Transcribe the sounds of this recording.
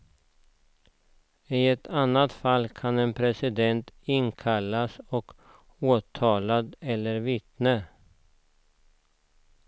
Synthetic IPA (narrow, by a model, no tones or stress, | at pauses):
ɪɛt̪ʰanːat̪falːkʰanɛnpʰɾɛsɪd̪ɛnt̪ɪnkʰalːasɔk | oːt̪ʰɑːlad̪ɛlːəɾvɪt̪nə